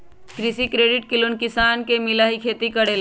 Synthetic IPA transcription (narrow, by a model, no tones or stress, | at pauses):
kɾɪsikɾeːɖɪʈ̚kɪlunkɪsaːnkemɪlaːɦikʰeːt̪ikəɽeːl